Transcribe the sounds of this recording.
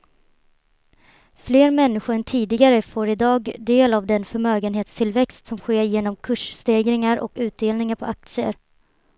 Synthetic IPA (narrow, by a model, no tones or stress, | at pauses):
fleːɾmɛnːɪɧʊɾɛnt̪ʰiːd̪ɪɡaɾəfoːɾɪd̪ɑːɡd̪eːlavd̪ɛnfœɾmøːɡənɦeːt̪st̪ʰɪlvɛkst̪sɔmɧeːɾjeːnɔmkʰɵʂst̪eːɡɾɪŋaɾʔɔ̰kʉ̟ːt̪̚d̪eːlnɪŋaɾpʰɔʔak̚t̪sɪə̰ɾ